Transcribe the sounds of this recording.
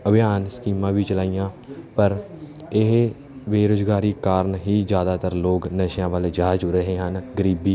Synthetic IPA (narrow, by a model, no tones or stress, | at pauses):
əbɪjaːnsə̥kiːmãːbʱiːt͡ʃəlaːijãː | pəɾ | ɪɦ | ʋeːɾoːd͡ʒɡaːɾiːkaːɾnɦiːzjaːd̪aːt̪əɾloːɡnəʃjãːʋaːled͡ʒaːd͡ʒɾəɦeːɦənɡəɾiːbiː